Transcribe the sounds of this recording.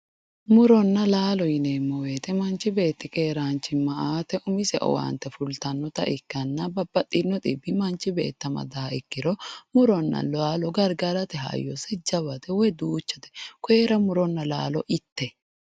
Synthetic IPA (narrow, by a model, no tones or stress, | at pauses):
mʊɾɔnːɐlaːlɔjɪnemːɔweːt̪ɛmɐnt͡ʃːɪbe̞ːt̪ːɪkeːɾaːnt͡ʃːɪmɐʔaːt̪ɛʔʊmɪsɛ̰ʔɔ̰wɐ̰nt̪ːɛfʊlt̪ɐnːɔt̪ɐ̰ʔɪkːɐnːɐbɐbːɐt̪ʼːɪnːɔt̪ʼɪbːɪmɐnt͡ʃɪbḛːt̪ːɐmɐ̰d̪aːɪkːɪɾɔmʊɾɔnːɐ̰laːlɔɡɐɾɡɐɾɐt̪ɛɦɐ̰jːɔ̰sɛd͡ʒɐβɐt̪ɛwɔjd̪uːt͡ʃːɛt̪ɛ̥keːɾɐmʊɾɔnːɐla̰ːlɔʔɪt̪ːɛ